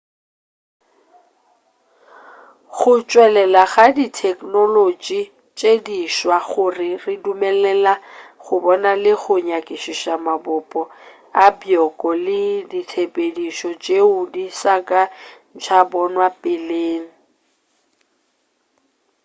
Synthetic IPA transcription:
ɣχʊt͡ʃʼwɛlɛlaɣaditʰɛkʼnolot͡ʃʼi | t͡ʃʼediʃwaɣʊrɪrɪdumɛlɛlaχʊbɔnalɪɣʊɲakʼɪʃiʃamabʊpʼɔ | abjɔkʼɔlɪditʰepʼediʃɔt͡ʃʼeʊdisakʼan̩t͡ʃʰabɔnwapʼɪleːŋ̩

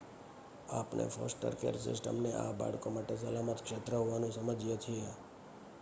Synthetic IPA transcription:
apnḛfʰɔ̰sʈə̰ɾkḛɾsɪ̰sʈə̰mneʔa̰ba̰ɽkomaʈes̬əlamət̪kʃet̪ɾəɦoʋanũsəməd͡ʒijet͡ʃʰie

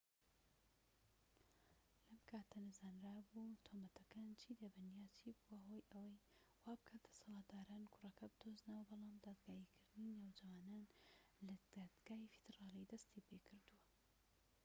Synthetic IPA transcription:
lɐmkʰaːt̪ʰɐnɨzaːnɾaːbut̪ʰoːmɐt̪ʰɐkaːnt͡ʃʰiːd̪ebɨnjaːt͡ʃʰiːbuwɐɦoːjʔɐwɐj | waːbɨkʰad̪̥ɐ̥sɑlˠɑːt̪̚d̪aːɾaːnkʰʊrɐkʰɐbɨd̪̥oznɐwɐbɑlˠɑːmd̪aːd̪ɡaːikʰɨɾd̪ɨninawd͡ʒɐwaːnaːnlɐd̪̥aːd̪ɡ̥aːifi̥d̪̥ɨraːlˠijd̪ɐst̪ipekʰɨɾd̪uwɐ

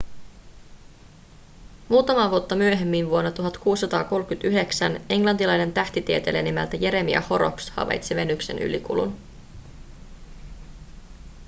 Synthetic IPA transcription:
muːt̪ɑmɑːʋuot̪ːɑmyøɦe̞mːinʋuo̞nːɑt̪uɦɑt̪kuːsːɑt̪ɑːko̞lkyt̪yɦe̞ksæne̞ŋlɑnt̪ilɑjne̞nt̪æht̪it̪iet̪elenimælt̪æje̞ɾe̞miæ̰ho̞ɾo̞̰pshɑ̰ʋɑ̰jt̪siʋe̞nːykse̞̰nʔy̰likṵlṵn

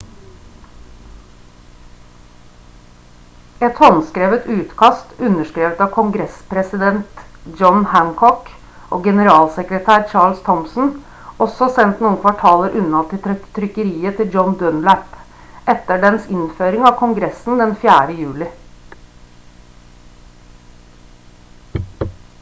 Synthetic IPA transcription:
ɛt̪hɔnskɾeːʋət̪ʉːt̪kʰɑst̪ʉnəʂkɾeːʋət̪ɑːʋkʰʊŋɡɾɛspʰɾɛsɪd̪ɛnt̪d͡ʒɔnhæŋkʰɔk | ʔo̰ːɡɛnəɾɑːlsɛkɾət̪ʰæːɾt͡ʃɑːɭst̪ʰɔmsn̩ | ɔsɔsɛnt̪nuːənkʰʋɑʈʰɑːləɾʔʉnɑt̪ɪt̪ʰɾʏkəɾiːət̪ʰɪld͡ʒɔnd̪œnlæp | ʔɛt̪ːəɖɛnsɪnføːɾɪŋɑʋkʰʊŋɡɾɛsn̩d̪ɛnfjæːɾəjʉːlɪ

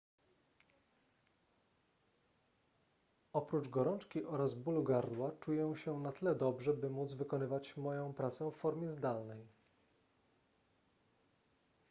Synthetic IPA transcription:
ɔpɾut͡ʂɡɔɾɔnt͡ʂkʲiʔɔɾazbuluɡaɾd̪wat͡ʂujɛw̃ɕɛnat̪ɘlɛd̪ɔbʐɛbɘmud̪zvɘkɔnɘvat͡ɕmɔjɔ̃w̃pɾat̪sɛfːɔɾmʲjɛzd̪alnɛj

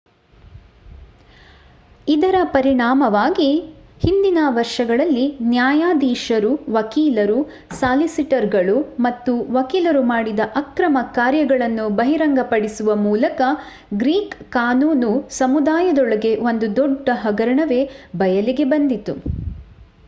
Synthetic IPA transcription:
id̪ɐɾɐpɐɾiɳaːmɐʋaːɡihind̪inɐʋɐɾʂɐɡɐɭɐlːinjaːjaːd̪iːʃɐɾuʋɐkiːlɐɾu | saːlisiʈɐɾɡɐɭumɐt̪ːuʋɐkiːlɐɾumaːɽid̪ɐʔɐkɾɐmɐkaːɾjɐɡɐɭɐnːubɐɦiɾɐŋɡɐpɐɽisuʋɐmuːlɐkɐ | ɡɾiːkkaːnuːnusɐmud̪aːjɐd̪ɔɭɐɡe̞ʋo̞nd̪ud̪ɔɖːɐɦɐɡɐɾɐɳɐʋe̞bɐjɐliɡe̞bɐnd̪it̪u

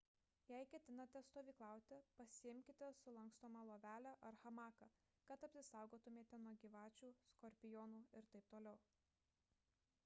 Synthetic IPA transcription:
jæɪkʲɛt̪ʲɪnɐt̪ʲɛst̪oːʋʲiːklˠɑˑʊt̪ʲɪpɐsʲɪɪmʲkʲɪt̪ʲɛsʊlˠɐŋkst̪oːmɐlˠoːʋʲæːlʲæʔɐɾxɐmɑːkɐ | kɐt̪ɐpʲsʲɪsɑˑʊɡoːt̪ʊmʲeːt̪ʲɛnuɔɡʲiːʋɑːt͡ʃʲuːskɔɾʲpʲɪjɔːnuːɪɾt̪ɐɪp̚t̪oːlʲɛʊ

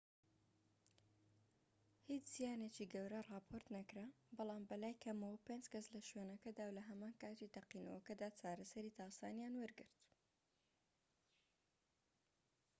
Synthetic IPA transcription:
hit͡ʃz̥ijaːnet͡ʃiɡɐwɾɐrɑːpʰoɾt̪nɐkɾa | bɑlˠɑːmbɐlaːjkʰɐmɐwɐpend͡ʒkɐslɐʃɥeːnɐkɐd̪aːwlɐɦɐmaːnkaːt̪it̪ɐqiːnɐ̰wɐkɐd̪aːt͡ʃaːɾɐsɐɾiːt̪aːsaːnjaːnwɐɾɡɨɾt̪

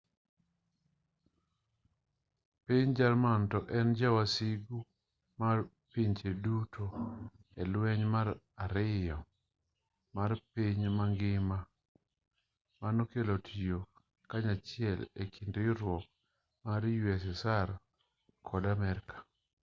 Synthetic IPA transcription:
piɲd͡ʒarmantɔʔɛnd͡ʒawasiɡu | mar | piɲt͡ʃedutʰo | elwɛɲmaɾ | aɾɪjɔ | marpiɲmaŋɡɪma | manokelotʰijo | kaɲat͡ʃɪɛlḛkʰindiɾwɔk | maɾjwɛsɛsaɾ | kʰɔdamɛɾkḁ

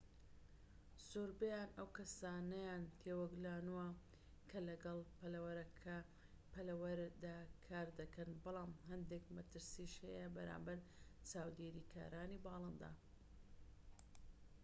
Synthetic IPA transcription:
soɾbɐjaːnɐwkɐsaːnɐjaːnt̪ʰewɐɡlaːnuwɐ | kʰɐlɐɡɐlˠpɐlɐwɐɾɐkʰɐ | pʰɐlɐwɐɾd̪aːkʰaːɾd̪ɐkʰɐnbɑlˠɑːmɦɐnd̪ekmɐt̪ɨɾsiʃhɐjɐbɐɾa̰ːmbɐɾt͡ʃaːwd̪eːɾiːkʰa̰ːɾaːniːbɑːlˠɨnd̪a̰ː

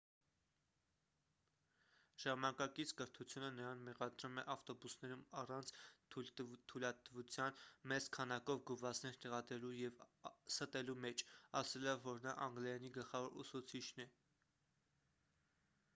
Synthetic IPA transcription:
ʒ̥ɑmɑnɑkɑkit͡sʰkəɾt̪ʰut͡sʰjunənəɾɑnmɛʁɑd̪ɾumɛʔɑft̪ɔbusn̪ɛɾumɑrɑnt͡sʰ | t̪ʰujlɑt̪vut͡sʰjɑnmɛt͡skʰɑnɑkɔvɡuvɑt͡snɛɾt̪ɛʁɑd̪ɾɛlujɛvsət̪ɛlumɛt͡ʃʰɑsɛlɔvːɔɾnɑʔɑŋɡlɑjɑniɡəlχɑvɔɾṵsut͡sʰit͡ʃʰnɛ

